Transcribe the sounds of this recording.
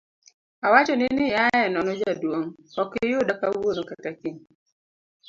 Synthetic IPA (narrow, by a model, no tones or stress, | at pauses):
awat͡ʃɔnɪnɪjaɛnɔnɔd͡ʒadwoŋɔkɪɪjʊdakawoɾokatakiŋ